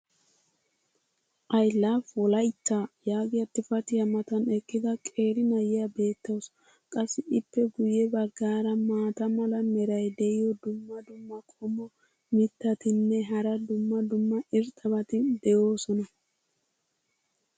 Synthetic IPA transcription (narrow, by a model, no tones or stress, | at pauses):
ʔɐjlːaːfɔlɐjt̪ːaːjaːɡɪjɐt̪ːɪfɐt̪ɪjɐmɐt̪ɐnɛkːɪd̪ɐkʼe̞ːɾɪnɐjɪjabe̞ːt̪ːɐws | kʼɐsːɪɪpːɛɡʊjɛbɐɡːaːɾɐmaːt̪ɐmɐlɐnɛɾɐjd̪ɛʔɪjɔd̪ʊmːɐd̪ʊmːɐkʼɔmɔ | mɪt̪ːɐt̪ɪnːɛɦɐɾɐd̪ʊmːɐd̪ʊmːɐɪɾt̪ʼɐbɐt̪ɪd̪ɛjo̞ːsɔnɐ